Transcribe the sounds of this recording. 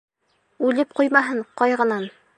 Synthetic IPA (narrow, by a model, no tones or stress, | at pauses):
ʉlɘp̚qujmɑɦɤɴqɒjʁɤ̆nɑn